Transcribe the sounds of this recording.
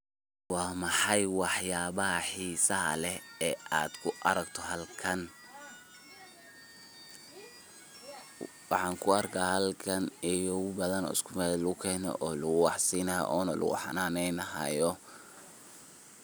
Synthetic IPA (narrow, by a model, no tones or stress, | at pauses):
wɑːmɑħɑjwɑħjaːβɐɦɐħiːsɐɦɐ̰lɛɛːʔaːd̪kʰʊʔɐɾɐɡt̪ʰɔɦɐlkʰɐn | wɑħɑːŋkʰʊɐrkʰaːhɐlkʰɐnijɔbɐðɐnɔ̰ːɪ̰skʰʊmɛlʊɣʊkʰɛːnɔ̰ʔɔːlʊɣʊwɑħsiːnɐjɔ̰ʔɔːnɐlʔʊ̰ɣʊ̰ħnaːnɛjnɐɦɐ̰jɔ